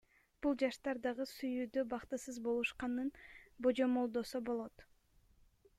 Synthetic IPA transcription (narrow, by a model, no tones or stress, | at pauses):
b̥ulˠd͡ʒɑʃt̪ɑɾd̪ɑʁɯsyjyːd̪øbɑqt̪ɯsɯzbo̞lˠuʃqɑnɯnbo̞d͡ʒo̞mo̞lˠd̪o̞sobo̞lˠo̞t̪